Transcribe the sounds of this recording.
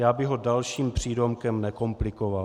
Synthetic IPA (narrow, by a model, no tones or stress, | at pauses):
jaːbɪɦo̞dalʃiːmpr̝̥iːdomkɛmnɛko̞mplɪkoval